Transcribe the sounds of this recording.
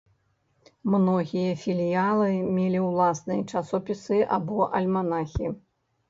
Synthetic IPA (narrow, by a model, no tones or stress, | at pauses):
mnɔɣʲijɐfʲilʲjalˠɨmʲɛlʲiwlˠasnɨjɐt͡ʂasɔpʲisɨʔa̰bɔʔɐlʲmanaxʲi